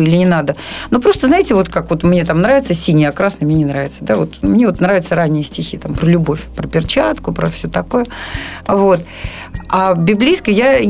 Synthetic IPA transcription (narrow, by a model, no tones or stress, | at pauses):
ilʲɪnʲɪnad̪ənopɾo̞st̪əznaɪtʲɪvo̞t̪kakvo̞t̪mnʲe̞t̪amnɾavɪt̪səsʲinʲɪjəɐkɾasnəmɲʲenʲɪnɾavʲɪt̪səd̪avo̞t̪mnʲeo̞t̪nɾavɪt̪səɾanʲːɪjəsʲtʲɪxʲit̪ampɾəlʲʊbo̞fʲpɾəpʲɪrt͡ɕat̪kʊpɾəfsʲɵt̪ɐkojəvo̞t̪ | abʲɪblʲijskəjja